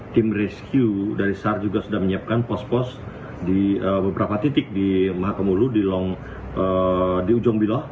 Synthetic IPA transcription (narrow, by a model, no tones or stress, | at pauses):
t̪ɪmrɛskjudaɾisard͡ʒuɡasudahməɲiap̚kanpɔspɔs | diəbəbəɾapat̪it̪ɪk̚dimaɦakamuludilɔŋ | ʔədiud͡ʒɔŋbilɔh